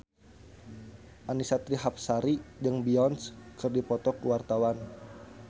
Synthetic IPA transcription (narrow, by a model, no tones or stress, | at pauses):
ʔanisat̪ɾiɦap̚saɾid͡ʒəŋbiɔnskɨrdipɔt̪ɔkəwart̪awan